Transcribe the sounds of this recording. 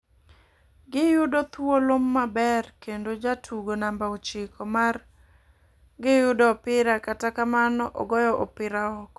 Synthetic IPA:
ɡɪjʊdɔt̪wolʊmːabɛrkendod͡ʒatʰuɡonambaot͡ʃɪkʰɔmar | ɡɪjʊdɔpɪɾakatakamanɔʔɔ̰ɡɔjɔʔɔpɪɾaɔk

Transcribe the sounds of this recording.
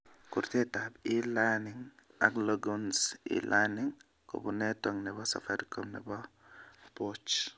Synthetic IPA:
kuɾtɛtabilanɪŋa̰kloɡunsḭlʔanɪŋ | ko̰bunɛtɔŋnɛbɔsa̰faɾikomnɛ̰bɔ | pot͡ʃ

